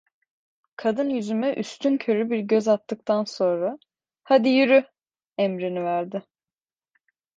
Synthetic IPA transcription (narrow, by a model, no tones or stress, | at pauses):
kʰad̪ɯnjyzymɛʔyst̪ʰyncʰø̞ɾybiɾɟøzat̪ːɯk̚t̪ʰanso̞nɾa | had̪ijyɾy | ɛmɾinivæɾd̪ɪ